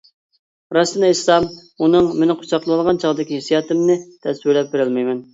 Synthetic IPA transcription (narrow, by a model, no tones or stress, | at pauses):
ɾɑsɨnislˠɑm | unɨŋmenɪqʰʊ̥t͡ʃʰɑqlˠlˠɨlˠʁɑnt͡ʃʰɑʁd̪ɪkʲiɦesijɑːt̪ɪmnɨt̪ʰɛswɪlɛp̚beɾɪlmɛjmɛn